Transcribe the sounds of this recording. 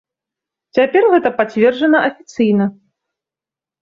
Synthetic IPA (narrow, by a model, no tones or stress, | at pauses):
t͡sʲapʲɛrɣɛt̪ɐpat͡sʲvʲɛrd͡ʐɐnɐʔɐfʲit̪sɨjnɐ